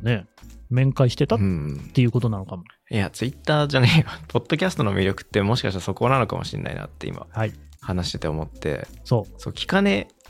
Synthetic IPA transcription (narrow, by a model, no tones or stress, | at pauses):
ne̞mẽ̞ŋkaiɕi̥t̪e̞t̪aɯ̟̃t̪ːe̞jɯ̟ːko̞t̪o̞nanokamojat͡sɨit̪ːaːd͡ʑaneopʰo̞d̪̥ːo̞kʲasɨ̥t̪o̞no̞mʲiɾʲo̞kɯ̟̥t̪ːe̞mo̞ɕi̥kaɕi̥t̪asoko̞nano̞ka̰mo̞ɕḭ̃nːʔa̰ḭna̰t̪ːe̞ḭmʔa̰haihanaɕi̥t̪e̞t̪eomo̞t̪ːe̞̰so̞ːso̞ːkʲi̥kane̞